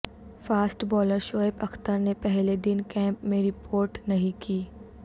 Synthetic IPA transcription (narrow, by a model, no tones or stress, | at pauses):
faːsʈbɔːləɾʃoːepɐxt̪əɾnepɛɦled̪ɪnkɛ̃ːmpmẽɾɪpʰoːɾʈnɐɦĩkiː